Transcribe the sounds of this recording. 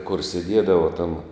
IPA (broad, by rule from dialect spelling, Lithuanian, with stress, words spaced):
kʊr sʲɛˈdʲiɛdɐʋɐ tɐm